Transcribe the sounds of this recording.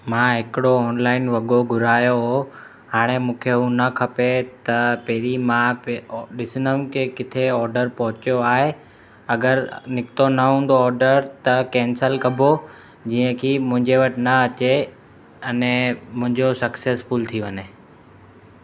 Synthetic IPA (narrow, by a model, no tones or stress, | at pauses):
mãɦɪkɪɽoɔːnlaːɪnʋɐɠoɡʱʊɾaːjoɦo | haːɽ̃emũːkʰeɦũnɐkʰɐpet̪ɐpeɦɾimãpɗɪsɪnəmkʰekɪt̪ʰeɔːɾɖəɾpɐɦʊt͡ɕjoaːɦe | ɐɡəɾnɪkɪt̪onɐɦũːn̆d̪oːɾɖəɾt̪ɐkɛ̃ːnsəlkɐbʱo | d͡ʑiːə̃kʰiːmʊ̃ɦɪ̃ɲd͡ʑeʋɐʈɪnɐɐt͡ɕe | ɐnẽmʊ̃ɦɪ̃ɲd͡ʑosɐkseːsfʊlt̪ʰiʋɐne